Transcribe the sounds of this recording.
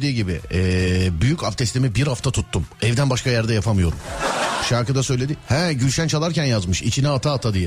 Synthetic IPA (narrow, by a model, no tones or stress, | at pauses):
d̪iːɟibɪ̰ɛːbyjycaft̪ʰɛst̪emibiɾhaft̪ʰat̪ʰut̪ʰːumɛvd̪ænbaʃkʰajæɾd̪ɛjapʰamɯjo̞ɾumʃaɾkɯd̪asø̞jlʲed̪ihɛ̃ɟylʃænt͡ʃʰalˠaɾcænjazmɯʃḭt͡ʃʰinɛat̪ʰaːt̪ʰad̪ijɛ